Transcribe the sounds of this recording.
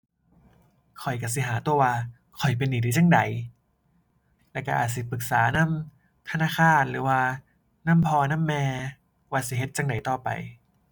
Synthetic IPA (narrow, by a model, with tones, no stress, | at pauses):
kʰɔ˨˩jka˧˩si˧˦ɦaː˩˦t̪u˧˩əwaː˧ | kʰɔ˨˩jp̬e˧nːiː˨˦di˧˦t͡ɕa˧˥˩ŋda˨˦j | lɛː˧˩ka˧˩ʔaː˨t̪̚s̬i˧˩pɯ˨˩k̚saː˩˦na˧˥˨m | t̪ʰa˧naː˧˥˨kʰaː˧˩nɾɯː˩˦waː˧ | na˧˥˨mpʰɔː˧na˥˨mːɛː˧ | waː˧˩si˧˩ɦe˧˦t̪̚t͡ɕa˧˥˩ŋda˨˩jt̪ɔː˧˩pa̰˨˧j